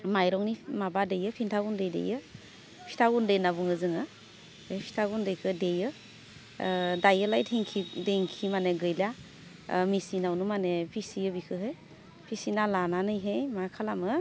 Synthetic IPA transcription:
majɾɔŋnimabadejɯpʰintʰaɡundejdḛjɯ | pʰi̥tʰaɡundejnabuŋɯzɯŋɯ | epʰi̥tʰaɡundejkʰɯdejɯ | dajɯlajtʰiŋkʰideŋkʰimaneɡɯjla | misinawnumanepʰisiɯbikʰɯɦej | pʰisinalananɯjɦejmakʰalamɯ

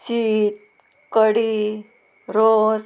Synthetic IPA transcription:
t͡ɕiːt̪̚ | kəɽi | ɾos

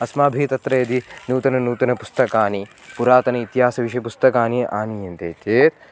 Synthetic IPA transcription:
ɐsmaːbʱiːt̪ɐt̪ɾɐjɐd̪inuːt̪ɐnɐnuːt̪ɐnɐpust̪ɐkaːni | puɾaːt̪ɐnɐit̪iɦaːsɐʋiʃɐjɐpust̪ɐkaːniʔaːnijɐnt̪eːt̪eːt̪̚

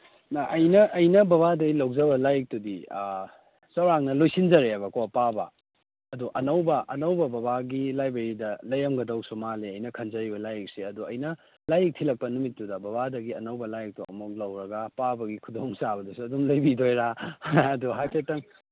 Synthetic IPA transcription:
nɐʔɐjnɐʔɐjnɐbɐβadɐɡilɐwd͡ʒɐbɐlajk̚tudi | sɐwɾaŋnɐlojsind͡ʒɐɾebɐkopabɐ | ɐduʔɐnɐwbɐʔɐnɐwbɐbɐbaɡilajbeɾidɐlɐjɐmɡɐdɐwsumaleɐjnɐkʰɐnd͡ʒɐɾibɐlajik̚siɐduɐjnɐ | lajik̚tʰilɐk̚pɐnumitːudɐbɐβadɐɡiɐ̰nɐwbɐlajk̚tuʔɐ̰muk̚lɐwɾɐɡɐpabɐɡikʰudoŋsaβɐdusuɐdumlɐjbidojɾaɐduɦajpʰetɐŋ

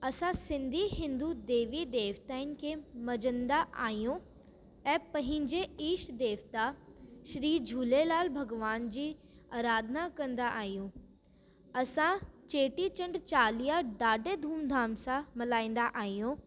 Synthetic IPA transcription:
ɐsãsɪ̃nd̪ʱiɦɪ̃nd̪ud̪eːʋid̪eːʋt̪aːɪn̆kʰeːmɐd͡ʑə̃nd̪aʔa̰ːɦijũ | ɛ̃ːpɐ̃ɦɪ̃ɲd͡ʑeiːʃd̪eːʋt̪aʃɾiːd͡ʑʱuːlelaːlbʱɐɡʋaːnd͡ʑiː | aːɾaːd̪ʱnakɐ̃nd̪aʔaːɦijũ | ɐsãt͡ɕeːʈit͡ɕɐ̃ɳɖt͡ɕaːlijaɖaːɖed̪ʱuːmd̪ʱaːmsãmɐlaːĩːn̆d̪aʔaːɦijũ

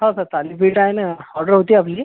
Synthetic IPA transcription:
ɦãsəɾt̪alipiʈaenəhɔɾɖəɾɦot̪iːapliː

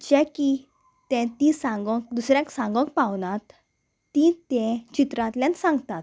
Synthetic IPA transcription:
d͡ʑɛ̃ki | t̪ɛ̃t̪ĩsãŋɡɔ̃k̚d̪usɾjãksãŋɡɔ̃k̚pawnat̪ː | ĩt̪ɛ̃t͡ɕit̪ɾãt̪ljãnsãŋɡt̪at̪

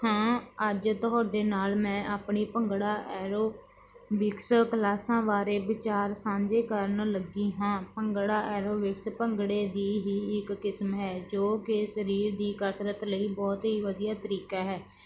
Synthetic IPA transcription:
hãːəd͡ʒt̪ʊɦaːɖeːnaːlmɛ̃ːʔaːpɳiːpəŋɡɽaːʔɛːɾoː | ʋɪkskəlaːsãːʋaːɾeːbɪt͡ʃaːɾsãːd͡ʒeːkəɾnləɡiːɦãːpəŋɡɽaːʔɛːɾoːʋɪkspəŋɡɽeːd̪iːɦiːɪkːɪsmɦɛːd͡ʒoːkɪsəɾiːɾd̪iːkəsɾət̪ləiːbɔːt̪ɦiːʋəd̪ijaːt̪əɾiːkaːɦɛː

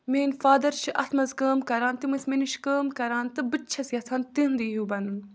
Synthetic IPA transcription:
meːnfaːd̪ɐɾt͡ʃʰiʔɐt̪ʰmɐzkəːmkɐɾaːnt̪imɨsmeniʃkəːmkɐɾaːnt̪ɨbɨt͡ʃʰɐsiɐt̪ʰaːnt̪ind̪iɦuːbɐnɨn

